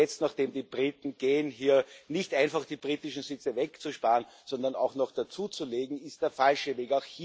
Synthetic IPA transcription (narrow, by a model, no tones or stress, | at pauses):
ɛt͡stnaχd̥eːmdiːb̥ʁiːtn̩ɡ̥eːənɦiːɐnɪçtʔãɪnfaχd̥iːbʁiːtɪʃn̩sɪt͡səvɛkt͡suʃpaːənsɔndɐna̰ʊxnɔχd̥at͡suːt͡suleːɡŋ̩ɪstd̥eːɐfalʃəveːkaʊxhiː